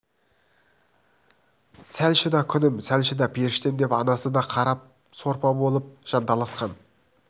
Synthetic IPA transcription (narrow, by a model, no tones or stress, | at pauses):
sælʃɪd̪ɑkʲʰʏnɪmsælʃɪd̪ɑpʰeɾɪʃt̪end̪e̞pɑnɑsəd̪ɑqʰɑɾɑp̚ | so̞ɾpɑbo̞lˠəp̚ʒ̥ɑnd̪ɑlˠɑsqɑn